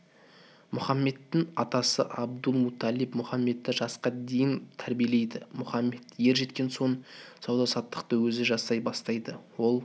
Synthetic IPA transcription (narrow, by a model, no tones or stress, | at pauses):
mʊχɑmːe̞d̪ːɪŋɑt̪ɑsəʔɑb̚d̪əlˠmut̪ʰɑlipmʊχɑmːe̞t̪ːɪʒɑsqɑd̪e̞jɪnt̪ʰæɾbije̞le̞jd̪ɪmʊχɑmːe̞d̪je̞ɾʒe̞t̪kʲe̞nso̞ɴsɑwd̪ɑsɑt̪ːə̥q̚t̪əwɵzɪʒɑsɑjbɑst̪ɑjd̪əwo̞lˠ